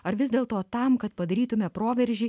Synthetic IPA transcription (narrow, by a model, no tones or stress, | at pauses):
ɐɾʋʲɪzd̪ʲeːlˠt̪oːt̪ɐmkɐt̪pɐd̪ɐɾʲiːt̪ʊmʲɛpɾoːʋʲɛɾʲʒʲiː